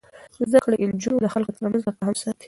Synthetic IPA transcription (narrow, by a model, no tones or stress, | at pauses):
zd̪akɽeʔɪld͡ʒunod̪əxalkot̪əɾmanzd̪aqɑɦamsɑt̪i̥